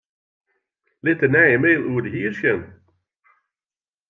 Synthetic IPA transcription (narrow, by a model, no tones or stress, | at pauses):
lɪtənɛjəmeːlˠuːərdəɦiːrsjən